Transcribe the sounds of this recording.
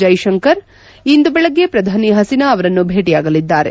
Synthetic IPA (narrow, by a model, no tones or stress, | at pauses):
ɐjʃɐŋkɐɾ | ind̪ubɛɭɐɡːe̞pɾɐd̪ʱaːniɦɐsinɐːʋɐɾɐnːubʱeːʈijaːɡɐlid̪ːaːɾe̞̰